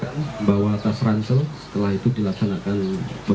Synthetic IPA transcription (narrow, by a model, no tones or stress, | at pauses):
anbawat̪asɾansəlsə̥t̪əlaɦit̪udilaksanakanbə